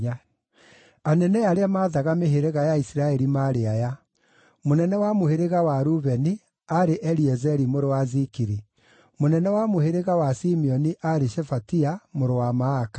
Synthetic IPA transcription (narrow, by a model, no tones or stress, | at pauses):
anɛnɛjaɾeamaːðaɣameɦeɾeɣajaisiɾaɛɾimaɾeaja | monɛnɛwamoheɾeɣawaɾuβɛni | aɾeʔɛɾiɛzɛɾimoɾowazikiɾi | monɛnɛwamoheɾeɣawasimiɔniʔaɾeʃɛfatiamoɾowamaːkḁ